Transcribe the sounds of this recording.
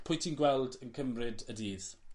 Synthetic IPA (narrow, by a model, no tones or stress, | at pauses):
pʰʊ̃jtʰinɡwɛlˠdənkʰəmrɪdədiːð